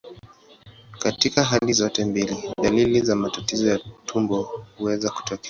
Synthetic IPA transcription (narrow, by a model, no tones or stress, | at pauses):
katikaɦalizɔtɛmbiliðalilizamatatizɔjatʰumbɔhuwɛzaku̥tɔkɛ